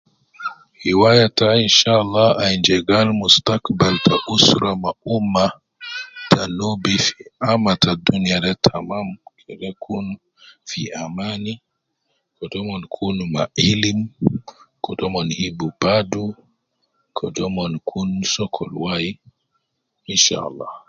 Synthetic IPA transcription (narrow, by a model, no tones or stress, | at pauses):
hiwajatainʃalːaajnd͡ʒɛɡalmustakbaltʰaʔusɾamaʔumːa | tʰanobifi̥ʔamatadːunijadɛtʰamamkʰɛɗɛkʰun | fiʔamani | kɔdɔmɔnkʰunma̰ʔilim | kɔdɔmɔnhibub̥adu | kʰɔdɔmɔnkʰunsɔkʰɔ̰lwaji | ʔinʃa̰ʔa̰lːɑ̰